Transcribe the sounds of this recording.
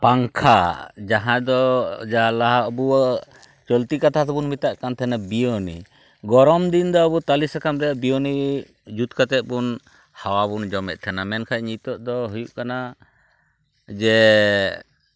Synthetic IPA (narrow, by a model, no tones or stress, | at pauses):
paŋkʰad͡ʒaɦãd̪ɔd͡ʒaɦãlaɦaɔbuɔ | t͡ʃɔlt̪ikat̪ʰat̪ɛbunmit̪aʔkant̪ʰɛnabijonḭ | ɡɔɾɔmd̪ind̪ɔɔbut̪alisakamɾɛaʔbijɔni | d͡ʒut̪kat̪ɛt̪̚bun | hawabund͡ʒɔmɛt̪̚ˀt̪ʰɛnamɛnkʰajɲit̪ɔʔd̪ɔɦujuʔkana | d͡ʒɛ